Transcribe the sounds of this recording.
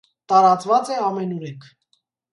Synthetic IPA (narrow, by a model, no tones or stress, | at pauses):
t̪ɑɾɑt͡svɑt͡sɛɑmɛnuɾɛŋkʰ